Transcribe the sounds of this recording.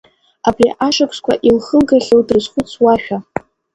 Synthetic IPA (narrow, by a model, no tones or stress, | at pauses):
abriʔaʂakʷʰskʷʰaʔilχəlɡaɬʲowdrɨzχʷʊt͡sʰwaʃᶣa